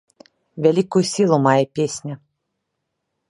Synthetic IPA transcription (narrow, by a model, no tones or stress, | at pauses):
vʲalʲikujusʲilˠumajɛpʲesʲnʲɐ